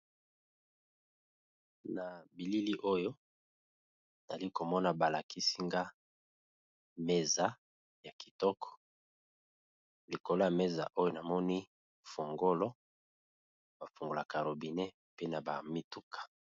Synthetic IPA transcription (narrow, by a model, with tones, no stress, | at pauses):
na˨bi˨li˦li˦ʔo˦jo˦˨ | a˨li˦ko˨mɔ˦na˨ba˨la˨ki˦si˦ŋɡa˦ | me˦za˦ | ja˨ki̥˨tɔ˦kʰɔ̥˨ | li˨ko˨lo˦a˨me˦za̰˨ʔo˦jo˦na˨mɔ˦ni˦ | fo˨ŋɡo˦lɔ˦ | ba˨fu˨ŋɡo˨la˨ka˨ɾo˨bi˨ne˦ | pe˦na˨ba˨mi˦tu˦kʰḁ˨